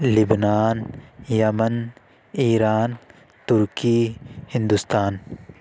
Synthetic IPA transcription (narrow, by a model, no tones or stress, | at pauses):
libnaːnjɐmən | iːɾaːn | t̪ʊɾkiːhɪ̃nd̪ust̪aːn